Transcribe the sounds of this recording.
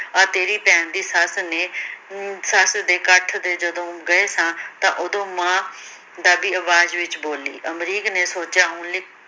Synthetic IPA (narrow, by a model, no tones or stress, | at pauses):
əːt̪eːɾiːpɛ̃ːnd̪iːsəsneː | səsd̪eːkəʈʰd̪eːd͡ʒəd̪õːɡəeːsãːt̪ãːʔʊd̪õːmãː | d̪aːbiːəʋaːd͡ʒʋɪt͡ʃboːlḭːʔəmɾiːkneːsoːt͡ʃjaːɦũːnlɪk